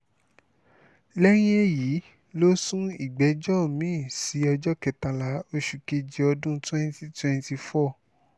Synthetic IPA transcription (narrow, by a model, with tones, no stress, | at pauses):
lɛ˦ɾ̃ĩ˦e˦˨ji˨˦ | lo˦sũ˦i˦˨ɡ͡bɛ˨˦d͡ʒɔ˦˨mĩ˦˨si˨˦ɔ˧d͡ʒɔ˦kɛ˨ta˧la˨˦o˧ʃu˨ke˧d͡ʒi˧ɔ˧dũ˦twɛ̃˦n˦ti˦twɛ̃˧n˦ti˧fɔ˦˨